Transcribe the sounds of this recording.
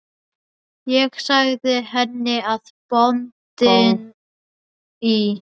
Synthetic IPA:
jɛɣsaɣðɪhɛnːɪaðpɔnt̪ɪn | i

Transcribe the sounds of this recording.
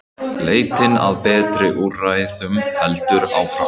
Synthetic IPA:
leːjt̪ɪna̰ðpɛːt̪ɾɪʔurajɪθʏmhɛlt̪ʏɾa̰wfɾa

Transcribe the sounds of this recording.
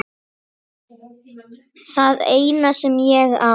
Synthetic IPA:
θaðeːjnasɛmjɛɣa̰

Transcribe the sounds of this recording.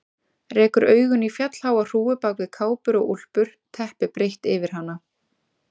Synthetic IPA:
rɛːkʏɾœːɥɣʏnifjat̪l̥haːwar̥uːʏpaːwkvɪkʰaːwpʏɾɔɣul̥pʏɾ̥t̪ʰɛhpɪpɾejht̪ɪvɪɾ̥ɦanːa

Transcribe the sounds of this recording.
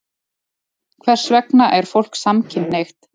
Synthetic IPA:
kʰvɛr̥svɛknaʔɛɾ̥fowl̥ksamcʰɪnːejxt̪

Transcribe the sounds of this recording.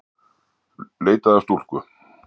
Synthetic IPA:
leːjt̪aðast̪ul̥kʏ

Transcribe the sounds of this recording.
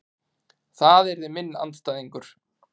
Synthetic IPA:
θaðɛɾðɪmɪnːa̰nt̪st̪aːjðiŋkʏɾ̥

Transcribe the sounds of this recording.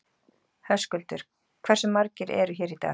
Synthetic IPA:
hɛ̥skʏlt̪ʏɾ̥ | kʰvɛr̥sʏmːaɾcɪɾʔɛ̰ɾʏçɛːɾit̪a̰ː

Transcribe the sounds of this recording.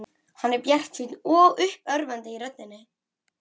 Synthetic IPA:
hanːɛɾpjɛr̥t̪siːt̪nɔɣʏhpœɾvant̪ɪiɾœt̪̚nɪnːɪ

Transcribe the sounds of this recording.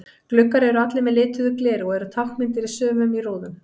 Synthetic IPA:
klʏkːaɾɛɾʏat̪lɪmɛðlɪːt̪ʰʏðʏklɛːɾɔɣɛɾʏt̪ʰawhkmɪnt̪ɪɾɪsœːvʏmiroːwðʏm

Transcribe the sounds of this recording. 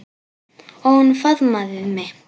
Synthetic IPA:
ɔnfaðmaðmɛ

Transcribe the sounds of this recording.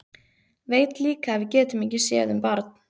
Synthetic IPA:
veːjt̪liːkaːvɪðcɛːt̪ʏmɪcɪsjɛ̰ːðʏmpaɾt̪n̥

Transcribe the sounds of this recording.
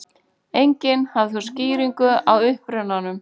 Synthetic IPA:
ejɲcɪnhavθɔ̥sciːɾiŋkʏawʏhpɾʏnanʏm

